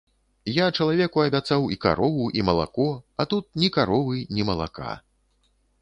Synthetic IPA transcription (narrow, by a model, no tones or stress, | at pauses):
jat͡ʂɐlˠavʲɛkuɐbʲat̪sawika̰ɾɔvuʔimɐlˠa̰kɔɐt̪ut̪̚nʲikaɾɔvɨnʲimɐlˠa̰ka̰